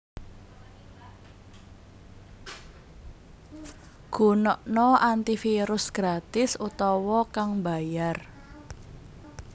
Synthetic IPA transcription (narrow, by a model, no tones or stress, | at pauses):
ɡ̥o̤nɔʔnɔʔant̪ifiɾʊsɡ̥ɾat̪ɪsut̪ɔwɔkaŋba̤jar